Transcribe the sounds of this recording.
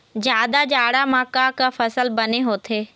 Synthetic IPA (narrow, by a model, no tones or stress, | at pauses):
d͡ʒjaːd̪ad͡ʒaːɽamãːkakafɐsəlbɐneɦoːt̪ʰeː